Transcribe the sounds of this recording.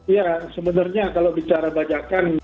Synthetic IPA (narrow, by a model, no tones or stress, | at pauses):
jasəbənarɲakalowdit͡ʃaɾabad͡ʒakan